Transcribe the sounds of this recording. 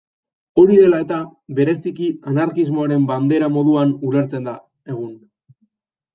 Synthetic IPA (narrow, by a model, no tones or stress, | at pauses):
o̞ɾiðe̞lae̞t̪aβe̞ɾe̞sikianaɾkizmo̞aɾe̞mband̪e̞ɾamo̞ðuanule̞ɾt͡se̞nd̪a | e̞ɣ̞un